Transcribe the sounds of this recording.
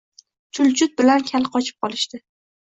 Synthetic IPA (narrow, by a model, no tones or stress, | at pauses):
t͡ʃʰʊlt͡ʃʰʊt̪̚bɪlankʲʰalqʰɒt͡ʃʰɪ̥p̚qʰɒlɪʃt̪ɪ